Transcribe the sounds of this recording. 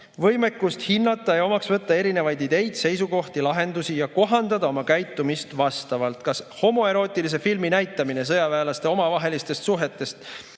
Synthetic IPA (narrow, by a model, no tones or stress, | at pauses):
vɤ̞jme̞kːˑust̪hinːɑt̪ˑːɑjejo̞mɑksvɤ̞t̪ˑːɑe̞ɾine̞vɑjd̪id̪e̞jd̪̥se̞jsuko̞ht̪ilɑɦe̞nd̪usijɑko̞ɦɑnd̪̥ɑd̪ɑo̞mɑkæjt̪ːˑumist̪vɑst̪ɑvɑlt̪kɑsho̞mo̞e̞ɾo̞ːt̪ːˑilis̬e̞filminæjt̪ːˑɑmine̞s̬ɤjɑvæːlɑst̪e̞o̞mɑvɑɦe̞list̪e̞st̪suɦe̞t̪ːˑe̞st̪